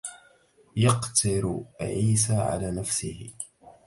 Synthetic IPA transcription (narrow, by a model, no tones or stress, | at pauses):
jɑqt̪ɪɾʕiːs̬aːʕa̰laːnafsɪhɪ